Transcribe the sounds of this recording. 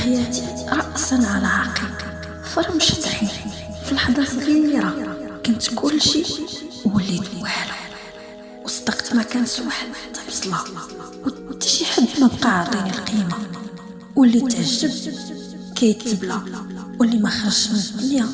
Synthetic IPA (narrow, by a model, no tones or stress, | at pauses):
ħjæt̪i | ɾˤɑʔsənʕalæʕɑqiq | fɑɾˤmʃət̪ˤħi | filħd̪ˤɑɾˤfəliwiɾˤɑkʊnt̪kʰʊlːʃiwəlːid̪waħl | wəst̪ɑqt̪mækænt̪waħəd̪ħt̪ːbsˤlɑ | wt̪ːi̥ʃiħəbːnəbqɑʕd̪ˤinəlqima | wəlːit̪ʕəʒːəb̚ | kæjət̪ːəblawəlimæxəɾʃnæənjæ